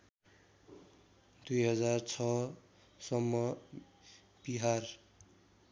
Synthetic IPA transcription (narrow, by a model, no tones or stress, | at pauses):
d̪ujɦʌd͡zart͡sʰʌ | sʌmːʌ | b̥iɦar